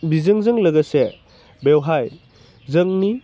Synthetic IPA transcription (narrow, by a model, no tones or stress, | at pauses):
bizɯŋzɯŋlɐɡɐse | bewɦaj | zəŋni